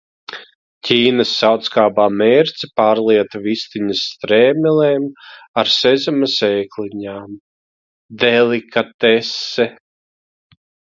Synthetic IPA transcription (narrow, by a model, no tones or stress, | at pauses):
cʰʲiːnasːawt̪skaːbaːmeːɾt̪sipaːɾlˠiɛt̪vist̪iɲast̪ɾeːmɛleːmaɾsɛzamɐsɛːkliɲaːm | d̪ɛlikat̪ɛsːɛ